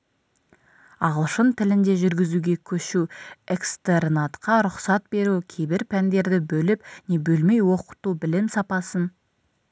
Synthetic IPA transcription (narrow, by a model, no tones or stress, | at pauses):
ɑʁəlˠʃənt̪ʰɪlɪnd̪e̞ʒʏɾɡʲɪzuɡʲe̞kʲʰɵʃuekst̪ernat̪qɑɾʊqsɑt̪̚be̞ɾukʲʰebɪɾpʰænd̪e̞ɾd̪ɪbɵlɪp̚ne̞bɵlme̞jwo̞qə̥t̪ubɪlɪmsɑpɑsən